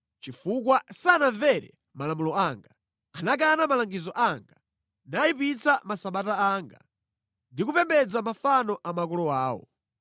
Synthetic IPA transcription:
t͡ʃifuk̬wasanaɱvɛɾɛ̰ | malamulɔaŋɡa | anak̬anamalaŋɡizɔʔaŋɡa | naipit͡samasaɓataaːŋɡa̰ | ndik̬upɛmbɛd͡zamafanɔʔamak̬ɔlɔaːwɔ̰

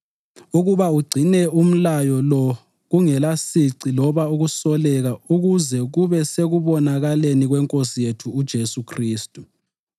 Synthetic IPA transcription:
uɣuβauɡ͡ǀʱinɛum̩lajɔlɔ | ɣuŋɛlasiǀilɔβauɣusɔlɛɣauɣuzɛɣuβɛseɣuβɔnaɣaleniɣwɛŋkʼosijetʰuːd̥ʒ̥ʱesukʰriːstʼu

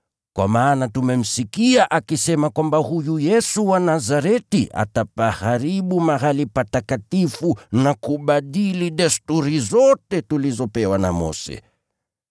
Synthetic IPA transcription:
kwa̰maːnatumɛm̩sikiaʔakisɛmakwambahujujɛsuwanazaɾɛtiʔa̰tapahaɾiɓumaɣalipatakatifunakuɓaɗiliɗɛstuɾizɔtɛtulizɔpɛwana̰mɔ̰sɛ̰

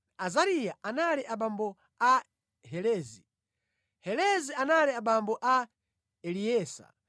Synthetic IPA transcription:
azaɾijaʔanaliʔaɓambɔ | a | ɦɛlɛːzi | hɛlɛzianaliaɓambɔʔa | ɛliɛːsa̰

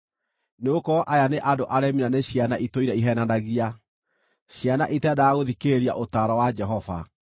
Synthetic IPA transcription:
neokɔʔajaneʔadoʔaɾɛminaneɕjanaʔitoiɾɛiɦɛnanaɣia | ɕjanaʔitɛdaaɣoðikeɾia̰ʔotaɾɔwad͡ʒɛɦɔva̰

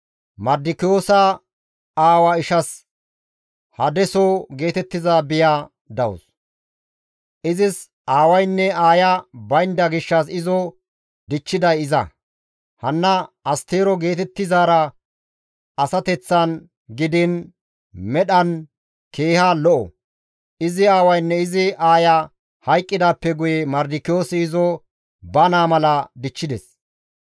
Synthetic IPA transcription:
mɐd̪ɪkɪjoːsɐ | aːwɐɪʃɐs | hɐd̪ɛsɔɡe̞ːt̪ɛt̪ːɪzaːbɪjaː | d̪ɐwɔ̰s | ʔɪzɪs | aːwɐjnːɛaːjɐbɐjnd̪ɐɡɪʃːɐs̬ɪzɔ | d̪ɪt͡ʃːɪd̪ɐjɪzɐ̰ | hɐnːɐɐst̪e̞ːɾɔɡe̞ːt̪ɛt̪ːɪzaːɾɐ | ɐsɐt̪ɛt͡sːɐn | ɡɪd̪ɪn | mɛɗɐn | ke̞ːhaːlɔʔɔ̰ | ɪzɪaːwɐjnːɛɪzɪʔaːjɐ | hɐjkʼːɪd̪aːpːɛɡʊjɛmɐɾd̪ɪkːɪjo̞ːsɪːzɔ | bɐnaːmɐlɐd̪ɪt͡ʃːɪd̪ɛs

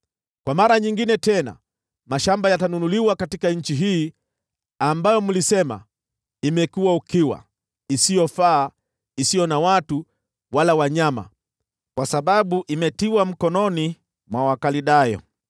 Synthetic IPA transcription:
kwamaɾaɲiŋɡinɛtɛna̰ | maʃambajatanunuliwakatikaɲ̩t͡ʃiɦiː | ambajɔmulisɛma̰ | imɛkuwaukiwa̰ | isijɔfaː | isijɔnawatu | walawaɲama̰ | kwasaɓaɓuʔimɛtiwam̩kɔnɔni | mwawakaliɗajɔ̰

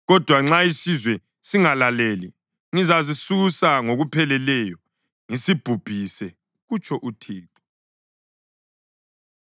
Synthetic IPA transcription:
ɣɔd̥ʱwaŋ͡ǁaisizwɛ | siŋalaleːli | ŋizazisusaŋoɣupʰɛlɛlɛjɔ | ŋisib̥ʱub̥ʱisɛ | ɣut͡ʃʰʼɔʔutʰiːtʰʼɔ̥

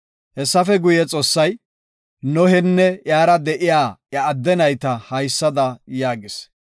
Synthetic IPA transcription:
hɛsːɐfɛɡʊjɛt͡sʼo̞ːsːɐj | nɔhɛnːɛjaːɾɐd̪ɛʔɪjaːjɐːd̪ːɛnɐjt̪ɐhɐjsːɐd̪ɐjaːɡɪs

